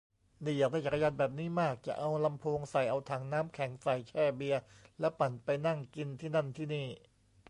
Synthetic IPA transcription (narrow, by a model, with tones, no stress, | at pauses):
niː˧˩jaː˨˩k̚d̪a˥˩t͡ɕa˨˩ka˧jaː˧nbɛː˨˩p̚niː˦˥maː˥˩k̚t͡ɕa̰˨˩ʔa˧wla˧mpʰoː˧ŋsa˨˩jʔa˧wt̪ʰaː˩˦ŋnaː˦˥mkʰɛ˩˦ŋsa˨˩jt͡ɕʰɛː˥˩bi˧ɐlɛ˦˥pa˨˩npa˧jna˥˩ŋki˧nt̪ʰiː˥˩na˥˩nt̪ʰiː˥˩niː˥˩